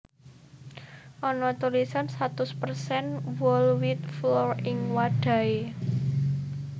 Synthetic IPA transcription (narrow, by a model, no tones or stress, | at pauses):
ʔɔnɔt̪ulisansat̪ʊspərsɛnwɔlwɪt̪̚flɔrɪŋwaɖ̥ä̤e